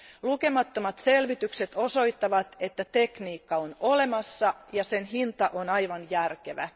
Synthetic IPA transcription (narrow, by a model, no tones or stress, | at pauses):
luke̞mɑt̪ːomɑt̪se̞lʋit̪ykset̪o̞soit̪ːɑʋɑt̪e̞t̪ːæt̪e̞kniːkːɑonole̞mɑsːɑjɑsenɦint̪ɑʔonɑjʋɑnjærkeʋæ